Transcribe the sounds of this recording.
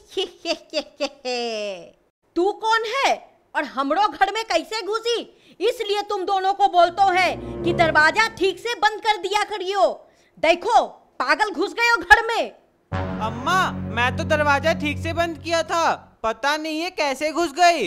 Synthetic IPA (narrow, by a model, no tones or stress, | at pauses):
ieeɛ | t̪uːkɔːnɦɛː | ɔːɾɦɐmɽoɡʱɐɾmẽkɐɪseɡʱʊsi | ɪsliet̪ʊmd̪oːnõkoboːlt̪oɦɛːkid̪ɐɾʋaːd͡ʒaʈʰiːksebɐ̃nd̪̚kɐɾd̪ijakɐɾijoː | d̪eːkʰo | paːɡəlɡʱʊsɡɐjoɡʱɐɾmẽ | ɐmːaːmɛ̃ːt̪od̪ɐɾʋaːd͡ʒaʈʰiːksebɐ̃nd̪̚kijat̪ʰapɐt̪anɐɦĩekɛːseɡʱʊsɡɐi